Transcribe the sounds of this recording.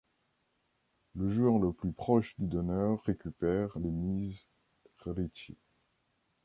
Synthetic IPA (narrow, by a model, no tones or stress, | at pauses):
ləʒuœʁləplypχɔʃd̪yd̪ɔnœʁːekʲypɛʁlemiz | ʁet̪ḛ